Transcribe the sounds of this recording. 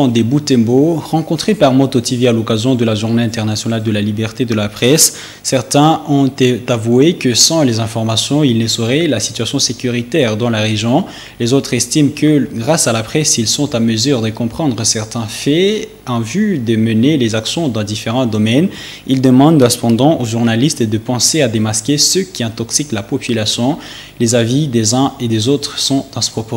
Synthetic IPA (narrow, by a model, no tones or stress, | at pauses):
ɑ̃d̪ebut̪ɛ̃boʁɑ̃kɔ̃t̪χepaʁmɔt̪ɔt̪ivialɔkazjɔ̃d̪əlaʒuʁneɛ̃t̪ɛʁnasjɔnald̪əlalibɛʁt̪ed̪əlapχɛsː | ɛʁt̪ɛ̃ɔ̃t̪t̪avuekəsɑ̃lezɛ̃fɔʁmasjɔ̃ilnəsəʁɛlasi̥t̪yasjɔ̃sekʲyʁit̪ɛʁd̪ɑ̃laʁeʒjɔ̃ | lezot̪χɛst̪imkəɡʁasalapχɛsilsɔ̃t̪aməzyʁd̪əkɔ̃pχɑ̃d̪ʁəsɛʁt̪ɛ̃fɛ | ɑ̃vyd̪əmənelezaksjɔ̃d̪ɑ̃d̪ifeʁɑ̃d̪ɔmɛn | ild̪əmɑ̃d̪ɛ̃sə̥pɑ̃d̪ɑ̃ʔoʒuʁnalist̪d̪əpɑ̃sead̪emaskʲesəkʲiɛ̃t̪ɔksiklapɔpylasjɔ̃ | lezavid̪ezɛ̃ed̪ezot̪χsɔ̃d̪ɑ̃sə̥pχɔpo